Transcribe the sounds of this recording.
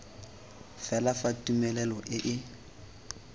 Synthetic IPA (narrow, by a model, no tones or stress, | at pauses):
fɛlafatʼumɛlɛlɔʔɪʔɪ